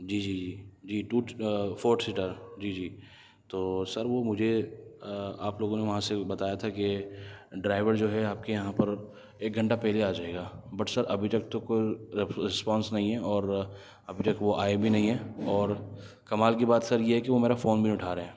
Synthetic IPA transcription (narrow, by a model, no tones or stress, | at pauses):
d͡ʒiːd͡ʒiːd͡ʒiːd͡ʒiːʈuːfoːɾʈsɪʈəɾd͡ʒiːd͡ʒiː | t̪oːsɐɾʋomʊd͡ʒʱe | aːploːɡõneʋɐɦãsebɐt̪aːjat̪ʰake | ɖɾaːɪʋəɾd͡ʒoːɦɛaːp̚kejɐɦãpɐɾ | eːk̚ɡʱɐ̃ɳʈapɛɦleaːd͡ʒaːeːɡaːbɐʈsɐɾɐbʱit̪ɐk̚t̪okoːiɾɪspɔ̃ːnsnɐɦĩɦɛɔːɾ | ɐbʱit̪ɐkʋoʔaːebʱinɐɦĩɦɛːɔːɾ | kɐmaːlk̬ibaːt̪sɐɾjeɦɛkiʋomeːɾafoːnbʱiʊʈʰaːɾeɦɛ̃ː